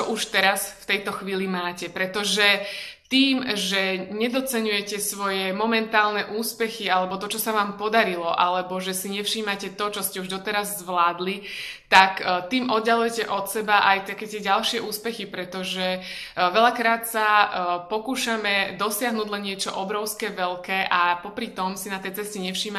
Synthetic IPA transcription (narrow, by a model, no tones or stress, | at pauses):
t͡ʃɔʔuʃt̪ɛɾasft̪ɛjt̪ɔxʋiːlimaːcɛpɾɛt̪ɔʒɛt̪iːmʒɛɲɛd̪ɔt͡sɛɲujɛcɛsʋɔjɛmɔmɛnt̪aːlnɛʔuːspɛxialɛbɔt̪ɔt͡ʃɔsaʋaːmpɔd̪aɾilɔʔalɛbɔʒɛsiɲɛfʃiːmacɛt̪ɔt͡ʃɔscɛuʒd̪ɔt̪ɛɾazːʋlaːd̪lit̪akt̪iːmʔɔd̪ɟalujɛcɛʔɔt̪sɛbaʔajt̪akɛːt̪ɪɛɟalʃɪɛʔuːspɛxipɾɛt̪ɔʒɛʋɛʎakɾaːt̪sapɔkuːʃamɛd̪ɔsɪaɦnuːɟlɛnɲɪɛt͡ʃɔʔɔbɾɔʊskɛːʋɛlkɛːʔapɔpɾit̪ɔmsinat̪ɛjt͡sɛscɛɲɛfʃiːma